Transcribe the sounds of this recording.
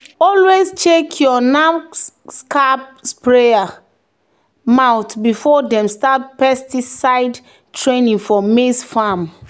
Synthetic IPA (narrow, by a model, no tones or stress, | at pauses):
ɔlwezt͡ʃekʰjɔnaskʰapspɹea | maʊtbifɔdɛ̃mstat̚pɛstisaɪd | tʰɹẽnĩŋfɔmisfam